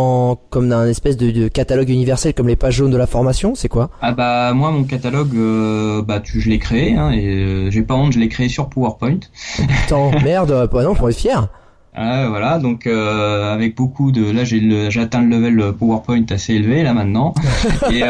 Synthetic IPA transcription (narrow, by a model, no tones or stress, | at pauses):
ɑ̃kɔmd̪ɛ̃nɛspɛsd̪əd̪əkat̪alɔɡynivɛʁsɛlkɔmlepaʒːond̪əlafɔʁmasjɔ̃sɛkwaabamwamɔ̃k̬at̪alɔɡøbat̪yʒəlɛkχeeɛ̃eøʒɛpaɔ̃ʒəlɛkχeːsyʁpowaʁpɔj̃t̪t̪ɑ̃mɛʁd̪anɔ̃pɔ̃ɛfjɛʁ | ɛvwalad̪ɔ̃køavɛk̚bokʰud̪əlaʒeləʒeat̪ɛ̃lləvɛləpoaʁpɔj̃t̪aseelvelamɛ̃t̪nɑ̃e